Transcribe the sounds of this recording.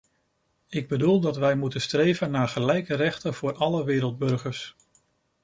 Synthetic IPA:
ɪɡ̚bədulˠdɑtʋɛjmutənstrejvənːaːɹχəlɛjkərɛχtənv̥ʊːɹɑləʋɪːɾəlˠd̚bɵɹχəɹs

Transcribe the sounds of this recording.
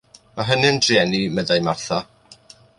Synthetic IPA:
maɦənɨndrjɛnimɛðajmarθa

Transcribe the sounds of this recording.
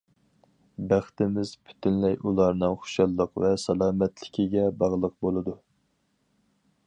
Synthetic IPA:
bæχt̪ɪmɪz̥pʰy̥t̪ʰynlɛjʔulˠɑɾnɨŋχo̥ʃɑlˠːəqvɛsɑlˠɑːmɛt̪lɪkʲʰiɡʲɛbɑʁlˠəq̚bolˠɨd̪u

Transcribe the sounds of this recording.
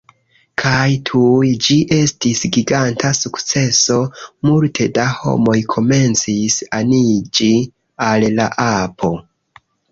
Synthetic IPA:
kʰajtʰujd͡ʒiʔe̞stisɡiɡantasukt͡se̞so̞multʰe̞daho̞̰mo̞jkʰo̞me̞nt͡sisanid͡ʒi | allaʔapʰo̞

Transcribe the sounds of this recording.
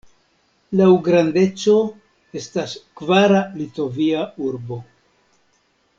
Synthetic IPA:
lawɡɾande̞t͡so̞ | e̞staskvaɾalito̞viauɾbo̞

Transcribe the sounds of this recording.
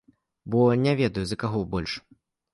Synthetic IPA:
bɔnʲɛvʲɛd̪ɐjuzɐkaɣɔbɔlʲʂ

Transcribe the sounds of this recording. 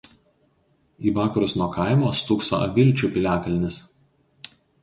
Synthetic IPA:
iːʋɑːkɐɾʊsnuɔkʰɑˑɪmoːst̪ʊkso̰ʔɐ̰ʋʲɪlʲt͡ʃʲuːˑpʲɪlʲæːkɐlʲnʲɪs

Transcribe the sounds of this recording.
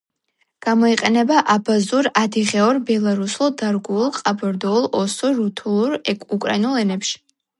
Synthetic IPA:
ɡ̥amɔiqʼɛnɛbaʔabazuɾad̪iʁɛɔɾbɛlˠaɾusulˠd̪aɾɡulˠqʼabɔɾd̪ɔulˠʔɔsɔɾut̪ʰulˠuɾɛkʼukʼɾa̰inulˠɛnɛpʃi̥

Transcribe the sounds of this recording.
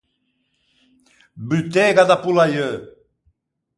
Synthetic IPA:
bylt̪eɣad̪apulajø

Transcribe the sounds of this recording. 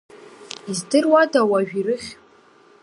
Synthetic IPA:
izdɨrwadawaʒᶣirɨχʲ

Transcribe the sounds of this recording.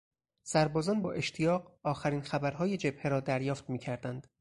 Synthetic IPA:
sæɾbɒːzɒːnbɒːʔe̞ʃt̪ʰijɒːɢɒːxæɾiːnxæbæɾɦɒːjed͡ʒe̞bheɾɒːd̪æɾjɒːft̪miːcʰæɾd̪ænd̪̥

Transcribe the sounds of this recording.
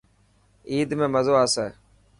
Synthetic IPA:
iːd̪mẽːməzoːaːseː

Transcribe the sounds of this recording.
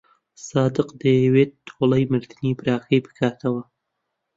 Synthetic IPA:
sɑd̪ɪqd̪əawet̪ʰːoləjməɾd̪ənipɾɑxəjpə̥kɑt̪ʰawa

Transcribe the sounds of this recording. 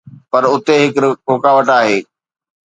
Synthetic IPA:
pɐɾʊt̪eɦɪkʊkaːʋəʈaːɦeː

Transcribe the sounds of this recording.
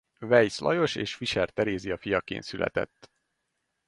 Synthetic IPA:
vɛjslʔɒ̰jo̞ʃeːʃfiʃɛrt̪ɛɾeːziɒfijɒkḛːnt̪sylʔɛ̰t̪ɛ̰t̪ː

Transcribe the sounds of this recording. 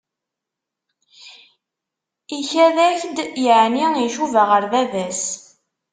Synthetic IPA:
içæðæçd̪jəʕniiʃuvaʁəɾðæðæs

